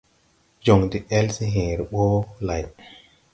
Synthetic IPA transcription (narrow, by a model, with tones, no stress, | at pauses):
d͡ʒo˨ŋdi˦ɛ˦lsi˦ɦẽː˨ɾi˨ɓo˦la˨j